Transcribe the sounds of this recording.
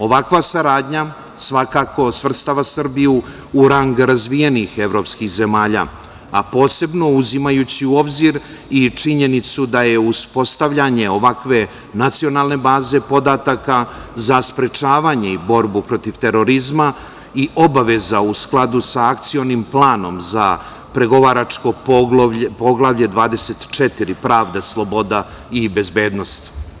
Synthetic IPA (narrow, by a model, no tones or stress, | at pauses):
o̞ʋakʋasaɾaːd̪ɲa | sʋakaːko̞svr̩st̪aʋasər̩biju | uɾaŋɡɾazʋije̞nixe̞vɾo̞pskixze̞maːʎa̰ | apo̞ːse̞bno̞uzimajut͡ɕiuo̞bziɾ | it͡ʂiɲe̞nit̪sud̪aje̞uspo̞st̪avʎaɲe̞o̞ʋakʋe̞ | nat̪sio̞naːlˠne̞baːze̞po̞d̪at̪akazaspɾe̞t͡ʃaːʋaɲeibo̞ɾbupɾo̞t̪iʋt̪e̞ɾo̞ɾizma | iʔo̞baʋe̞zausklˠad̪usaːk̚t̪sio̞nimplˠaːno̞mza̰ | pɾe̞ɡo̞ʋaɾat͡ʂko̞ppo̞ɡlˠaʋʎe̞d̪ʋaːd̪e̞se̞t̪t͡ʃɛt̪iɾipɾaːʋd̪eslˠo̞bo̞d̪a | ibe̞zbe̞ːd̪no̞st̪